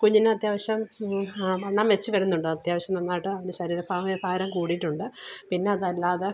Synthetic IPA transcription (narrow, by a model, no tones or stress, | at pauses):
kuɲːinɨɐt̪jaːʋɐɕjɐm | ɐɳːamʋe̞t͡ɕːɨʋɐɾunːuɳɖɨɐt̪jaːʋɐɕjɐmnɐnːaːjiʈːɨɐʋɐneɕɐɾiːɾɐpʰaːmipʰaːɾɐmkuːɽiʈːuɳɖɨpinːe̞ɐðɐlːaːðe